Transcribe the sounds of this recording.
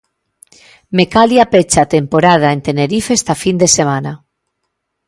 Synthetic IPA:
mekaljapet͡ʃat̪empoɾað̞aent̪eneɾifest̪afind̪esemana

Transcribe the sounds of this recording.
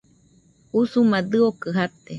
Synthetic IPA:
usumad̪ɨokɨɦat̪e

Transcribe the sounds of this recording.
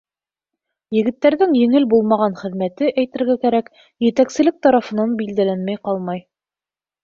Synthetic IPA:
jɘ̆ɡɘ̆t̪ːæɾðɘŋjɘ̆ŋɘlbulˠmɑʁɑnχɘ̆ðmæt̪ɘʔæjt̪ɘ̆ɾɡækæɾæk | jɘ̆t̪æksɘ̆lɘk̚t̪ɑɾɑfɤ̆nɑnbild̪ælænmæjqɑlˠmɑj

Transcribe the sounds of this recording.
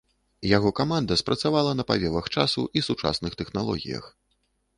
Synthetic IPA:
jaɣɔkamand̪ɐspɾʔɐt̪savalˠɐnɐpa̰vʲɛvɐxt͡ʂasuʔisut͡ʂa̰snɨxt̪ɛxnalˠɔ̰ɣʲḭjɐ̰x

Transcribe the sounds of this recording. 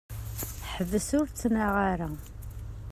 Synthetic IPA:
ħəvːəsʊɾt͡sːnaʁaɾa

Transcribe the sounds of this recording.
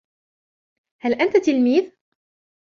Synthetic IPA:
halʔant̪t̪ɪlmiːð

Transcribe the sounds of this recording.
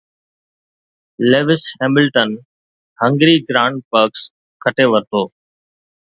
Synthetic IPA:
leːʋɪshɛ̃ːmɪlʈən | hə̃ŋɡɾiːɡɾãːɳɖ̚pəɾks | kʰəʈeːʋəɾt̪ʰoː

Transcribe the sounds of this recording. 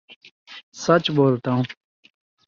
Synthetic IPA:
sɐt͡ɕboːlt̪aɦũ

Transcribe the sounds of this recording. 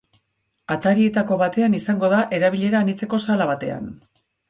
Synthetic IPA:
at̪aɾie̞t̪ako̞βat̪e̞anisaŋɡo̞ðaʔe̞ɾaβ̞iʎe̞ɾaːnit͡seko̞salaβat̪e̞a̰n

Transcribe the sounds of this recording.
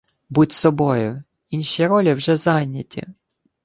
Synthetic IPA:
butʲsɔbɔjʊ | inʲʃijɐɾɔlʲiwʒɛzɑjnʲːɐtʲʰḭ

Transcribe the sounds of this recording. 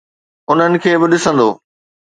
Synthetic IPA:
ʊn̤ənɪ̆kʰeːbɪɗɪsə̃nd̪oː

